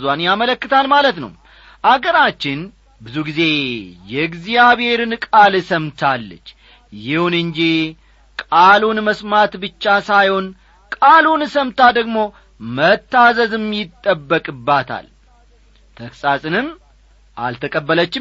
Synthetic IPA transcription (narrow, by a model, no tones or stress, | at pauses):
zwanjamələkːɨt̪ʰalmalət̪nə̰w | ʔaɡəɾat͡ʃːɪn | bɨzuɡize̞jɛɡzijaβhe̞ɾɨnkʼalsəmt̪ʰalːə̰t͡ʃː | jɪhunɨnd͡ʒi | kʼalunməsmat̪bɨt͡ʃːasajho̞n | kʼalunsəmt̪ʰad̪əɡmo̞ | mət̪ʰːazəzɨmjɪt̪ʼːəbːəkʼɨbːat̪ʰa̰l | t̪ʰəksʼasʼɨnɨm | ʔa̰lt̪ʰəkʼəbːələt͡ʃːɪ